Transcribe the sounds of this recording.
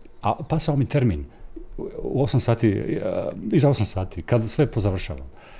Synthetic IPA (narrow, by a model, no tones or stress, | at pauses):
apasaomit̪e̞ɾmin | ṵo̞samsaːt̪i | izao̞samsaːt̪ikad̪sʋe̞po̞zaʋr̩ʃa̰ːʋa̰m